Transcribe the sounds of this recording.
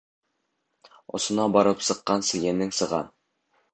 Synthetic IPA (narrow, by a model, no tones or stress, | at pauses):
ŏ̰sŏnɑbɒɾɤpsɤ̆qːɑnsɘ̆jænɘŋsɤ̆ʁɑ̰n